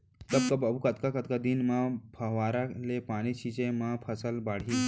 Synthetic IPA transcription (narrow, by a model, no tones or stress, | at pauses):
t̪əb̚kɐbɐbʱukɐt̪kakɐt̪̚kad̪inmãpʰɐʋaɾalepaɽ̃it͡ʃʰit͡ʃẽmãpʰəsəlbaːɽ̤i